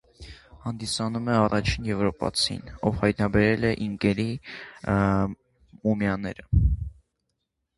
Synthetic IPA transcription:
hɑnd̪isɑnumɛɑrɑt͡ʃʰinjɛvɾɔpɑ̰t͡sʰḭnɔvhɑjt̪̚nɑbɛɾɛlɛʔiŋkɛɾi | mumjɑnɛ̰ɾə

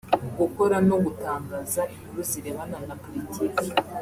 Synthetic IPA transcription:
ɡuko̞ɾanoɡutaːŋɡaːzaʔiβiɾuziɾeβananapolitʰiːki

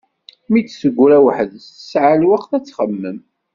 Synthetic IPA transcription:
mit͡sːsəɡʷːɾæwəħəðst̪ə̥sʕalwəqθæt͡sːχəmːəm

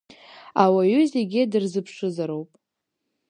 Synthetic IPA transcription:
awaɥʏzeɡʲɪdɨrzɨpʰʂɨzaɾo̞wpʼ

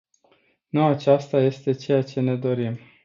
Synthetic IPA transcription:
nuat͡ʃast̪aje̞st̪e̞t͡ʃe̞jat͡ʃe̞ne̞d̪o̞ɾim

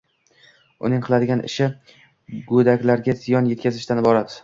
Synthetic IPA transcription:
ʊ̰nɪŋqʰɨlˠad̪ɪɡʲanɪ̰ʃɪ | ɡod̪akʲlaɾɡʲazɪjɒnjet̪kʲʰazɪʃt̪anɪbɒɾad̪ɪ

